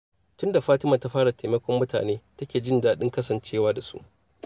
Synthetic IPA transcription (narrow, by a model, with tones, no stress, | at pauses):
tʊ˦nda˨ɸaː˦tɪ˦ma˨ta˦ɸaː˦ɽa˨tʰe˨mɐ˦kʷɔ˦mːʊ˦ta̰ː˨neː˦tɐ˦kʲeː˨d͡ʒɪ˦ndaː˦ɗɪ˦ŋkɐ˦sɐ˨nt͡ʃeː˦waː˦da˨sṵ˦ʔ